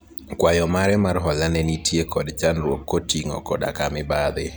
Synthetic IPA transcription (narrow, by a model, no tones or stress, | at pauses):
kwajɔmaɾɛmarɦɔlanɛnitjekɔdt͡ʃanɾwokːotiŋɔ̰kɔ̰da̰kamɪbad̪ɪ